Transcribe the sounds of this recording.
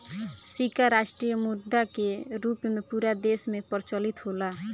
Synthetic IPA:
sikaɾaʃʈɾijəmud̪akeɾupmepuɾad̪esmepəɾt͡ʃəlit̪ɦola

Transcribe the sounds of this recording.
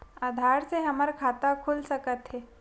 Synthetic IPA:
aːd̪ʱaːɾseɦɐməɾkʰaːt̪akʰʊlsɐkət̪ɦɛː

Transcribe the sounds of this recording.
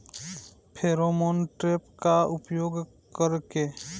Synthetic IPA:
pʰeːɾoːmoːnʈɾeːpkaʊpjoːɡ | kəɾke

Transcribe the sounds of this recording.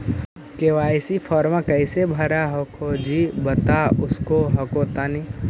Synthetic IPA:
keʋaːɪsifʰɔːɾmãkɐɪsebʱɐɾaɦɐkʰod͡ʒibɐt̪aʊskoɦɐkot̪aːni

